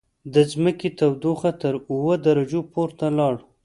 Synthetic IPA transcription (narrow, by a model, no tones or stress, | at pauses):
d̪əzməket̪awd̪uxat̪əɾuwəd̪aɾad͡ʒopoɾt̪alɑɽ